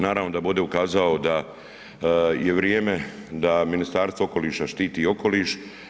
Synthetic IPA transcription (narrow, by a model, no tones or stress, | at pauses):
naːɾaːʋno̞d̪abud̪e̞ukaːzaod̪a | je̞ʋɾjeːme̞ | d̪aminist̪aːɾst̪ʋo̞oko̞liːʃaʃt̪iːt̪io̞ko̞liːʃ